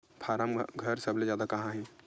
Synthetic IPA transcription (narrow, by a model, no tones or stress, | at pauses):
pʰaːɾamɡʱɐɾsɐbled͡ʒjaːd̪akɐɦãɦɛ̃ː